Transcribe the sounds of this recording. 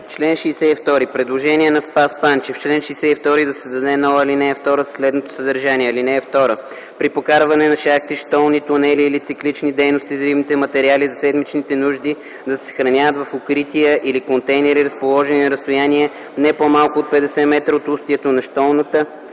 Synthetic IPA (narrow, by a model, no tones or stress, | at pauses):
ft͡ʃlɛnʃɛːsɛift̪ɔɾipɾɛd̪lˠoʒɛniɛnɐspaspant͡ʃɛft͡ʃlɛnʃɛːsɛift̪ɔɾid̪ɐsɛzd̪ɐd̪ɛnɔəlinɛːft̪ɔɾəsslɛd̪not̪o̥səd̪əɾʒaniɛɐlinɛːft̪ɔɾə | pɾipokaɾvɐnɛnɐʃak̚t̪iʃt̪ɔlˠnit̪ʊnɛliːlit̪siklit͡ʃnid̪ɛjnost̪izɾivnit̪ɛmɐt̪ɛɾializɐsɛd̪mit͡ʃnit̪ɛnuʒd̪i | d̪ɐsɛ̥sxɾɐnʲavət̪vɐfokɾit̪ijəʔilikont̪ɛjnɛɾiɾɐspolˠɔʒɛninɐɾəst̪ojaniɛ | nɛpomalˠkʊot̪̚pɛd̪ɛsɛmɛt̪ɾəot̪ust̪iɛt̪onɐʃt̪ɔlˠnət̪ə